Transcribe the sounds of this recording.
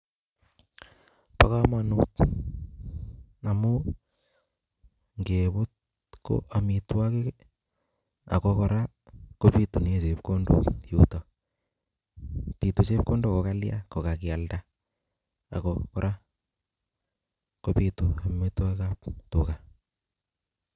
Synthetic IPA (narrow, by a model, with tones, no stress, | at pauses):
paka˦ma˨nut | na˨mu | ŋɡebʊ˦t̚ | ko̰˦ʔa˨mitwa˦ke˦ | a̰˨kokɔ˨ɾa˦ | ko˦pi˦tu˨ne˦˨se˨p̚ko˦ndo̰jutɔ˨ | pi˨tu˨t͡ʃe˦p̚ko˦ndo˦˨koka˦lja̰˦ko˨kaki˨a˨lda˦ | a̰˨kokɔɾʔa˦ | kopi˨tu˨a˨mi˦twa˦kkap̚tu˨ka˨